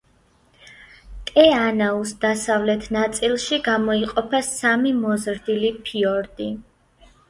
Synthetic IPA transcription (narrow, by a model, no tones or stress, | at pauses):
t̪ʼɛanausd̪asavlɛt̪ʰnat̪sʼilˠʃiɡamɔiqʼɔpʰassamimɔzɾd̪ilipʰiɔɾd̪ʼi